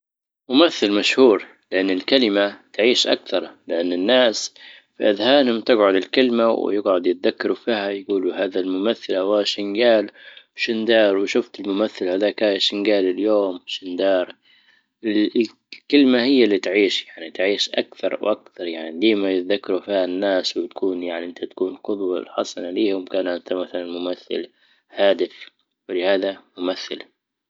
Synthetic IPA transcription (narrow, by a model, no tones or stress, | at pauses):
mʊmaθːɪlmaʃhuːɾ | lɪʔanːɪlkalɪmat̪ʕiːʃʔa̰kθɑɾˤlɪʔanːɪnːaːs | fiʔɪðhaːnɪmt̪ɪɡʕʊd̪ɪlkɪlmaw̰jɪɡʕʊd̪jɪt̪̚ðakːɑɾˤufiːhajɡuːluhaːðalmʊmaθːɪlawaːʃɪnɡaːlwʃɪnd̪ɑːɾˤwɪʃʊft̪ɪlmʊmaθːɪlhalaːkaːjaʃɪnɡaːlɪljoːmʃɪnd̪ɑːɾˤ | ɪlɪ | kɪlmahɪjːalːit̪ʕiːʃjaʕnit̪ʕiːʃʔakθɑɾ̰ˤwʔakθɑɾˤjaʕnidiːmajɪt̪ðakːɑɾufiːhanːaːswɪt̪ḁkʰuːnjaʕniʔɪnt̪ʰat̪ḁkuːnqʊd̪ˤwalħɑsˤɑnaliːhʊmkaːnʔɪnt̪amaθalanmʊmaθːɪ̰l | haːd̪ɪf | wɪlɪhaːðamʊmaθːɪl